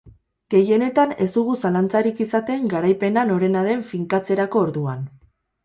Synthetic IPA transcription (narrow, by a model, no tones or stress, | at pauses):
ɡ̥e̞je̞ne̞t̪ane̞̰zt̪uɣusalant͡saɾikisat̪e̞ŋɡaɾajpe̞nano̞ɾe̞naðe̞ɱfiŋkat͡se̞ɾako̞ːɾðuan